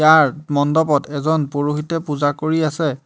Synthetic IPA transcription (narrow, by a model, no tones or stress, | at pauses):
jaɹmɔndɔbɔtɛzɔnpoɹuxitɛpuzakoɹiasɛ